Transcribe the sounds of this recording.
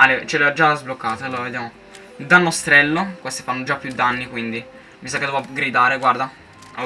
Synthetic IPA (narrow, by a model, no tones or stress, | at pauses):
alːɛt͡ʃɛlɛad͡ʒazblokːaːt̪aaloːɾaved̪jaːmo | d̪alnːost̪ɾɛlːokwest̪i̥fanːod͡ʒapːjud̪anːikwind̪i | misakːed̪ɛvaɡɾid̪aːɾeɡward̪a | a